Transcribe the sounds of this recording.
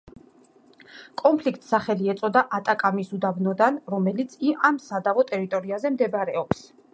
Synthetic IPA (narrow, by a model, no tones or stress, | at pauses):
kʼɔmpʰlik̚ʰt̪ʼsaχɛliɛt̪sʼɔd̪aʔat̪ʼakʼamisud̪abnɔd̪anɾɔmɛlit̪sʰiʔamsad̪avɔt̪ʼɛɾit̪ʼɔɾiazɛmd̪ɛbaɾɛɔps